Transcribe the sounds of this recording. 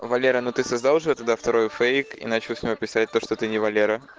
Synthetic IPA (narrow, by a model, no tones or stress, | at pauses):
vɐlʲeɾənot̪ɨsɐzd̪alˠʐɨɛt̪ɐd̪aft̪ɐɾo̞jʊfejkḭnat͡ɕɪlˠsʲnʲɪvopʲɪsat̚ʲt̪o̞ʂt̪ot̪ɨnʲɪvɐlʲeɾə